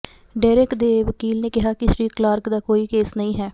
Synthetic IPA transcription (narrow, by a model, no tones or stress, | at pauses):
ɖaːɾekd̪eːʋəkiːlneːkɪɦaːkɪʃɾiːklaːɾkd̪aːkoːiːkeːsnəĩːɦɛː